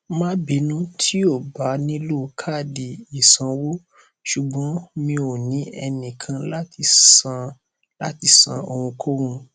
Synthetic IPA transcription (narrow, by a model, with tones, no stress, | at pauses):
mã˦bi˨˧˦nũ˦tʰi˦o˦˨ba˨˦nĩ˦lu˦˧kʰa˦˨di˨i˨sã˧wo˦ | ʃu˨ɡ͡bɔ̃˨˦mĩ˧o˨nĩ˨˦ɛ˧nĩ˨kʰã˧la˦ti˧ã˧ | la̰˦ti˧˦sã̰˧o˧wũ˧kʰo˦ɾũ˧